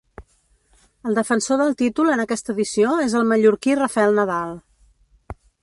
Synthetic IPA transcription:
əlˠd̪əfənsoðəlˠt̪it̪ulənəkɛst̪əːðisioezəlˠməʎuɾkirəfɛlˠnəðalˠ

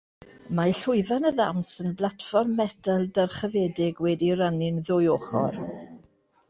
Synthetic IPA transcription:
majɬʊɨvanəða̰msənblatfɔrmːɛdalˠdarχəvɛdɪɡwɛdiɾanɪnðʊjoχɔ̰r

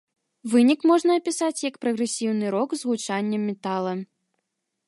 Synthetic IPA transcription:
vɨnʲikmɔʐnɐːpʲisat͡sʲjɐkpɾɐɣɾɛsʲiwnɨɾɔkzɣut͡ʂanʲːɛmʲːɛt̪alˠɐ

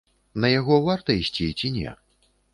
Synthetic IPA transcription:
nɐjaɣɔvart̪ɐisʲt͡sʲit͡sʲinʲɛ̰

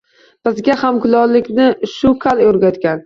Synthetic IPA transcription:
b̥ɪzɡʲahamkʰʊlˠɒlːɪkʲnɪʃʊkʰaljɵɾɡʲat̪kʲan

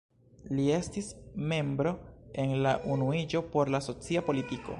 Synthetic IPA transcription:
lie̞stisme̞mbɾo̞e̞nlaʔunuid͡ʒo̞po̞ɾlaso̞t͡siapo̞litiko̞̰

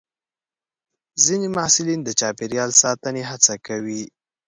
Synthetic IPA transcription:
zinemɑhsɪlind̪ət͡ʃɑpeɾjɑlsɑt̪əneɦat͡sakawi

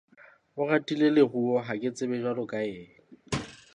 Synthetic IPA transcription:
ʊɣatʼileleɣuɔɦakʼɪt͡sʼɪbɛʒwarʊkʼaeːŋ

